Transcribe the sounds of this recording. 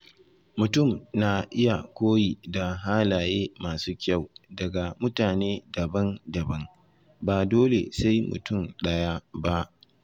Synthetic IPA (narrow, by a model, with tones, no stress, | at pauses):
mʊ˨tʊ˦˨mna˨ʔɪ˦ja˨kʷoː˦ji˨da˨ɦaː˦laː˨jeː˦maː˨suː˦kʲa˦˨wdɐ˨ɡa˨mʊ˦taː˨neː˦dɐ˨bɐ˦ndɐ˨bɐ˦ŋ | baː˨doː˦lḛ˨sa˦jmʊ̰˨tʊ˦˨mɗɐ˦ja˦ba˦ʔ